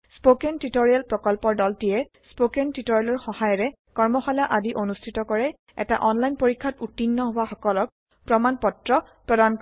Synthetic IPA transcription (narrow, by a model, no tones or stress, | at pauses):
spokɛntitoɹialpɹɔkɔlpɔɹdɔltijɛspokɛntitoɹialɔɹxɔhajɔɹɛ | kɔɹmɔxalaʔadiʔonustʰitɔkɔɹɛ | ɛ̰ta̰ʔɔnlajnpoɹikʰːatutːinːɔɦowaxɔkɔlɔk̚ | pɹɔmanpɔtɹɔ | pɹɔdam